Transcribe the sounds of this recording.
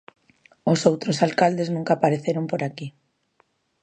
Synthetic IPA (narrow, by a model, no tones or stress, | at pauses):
osowt̪ɾosalkald̪eznũŋkaːpaɾeθeɾompoɾaki